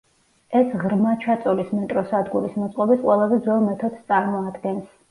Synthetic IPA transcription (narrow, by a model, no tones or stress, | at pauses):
ɛsʁɾmat͡ʃʰat̪sʼɔlismɛt̪ʼɾɔsad̪ɡuɾismɔt̪sʼqʼɔbit̪qʼwɛlˠazɛd̪zɛlˠmɛt̪ʰɔd̪st̪sʼaɾmɔad̪ɡɛns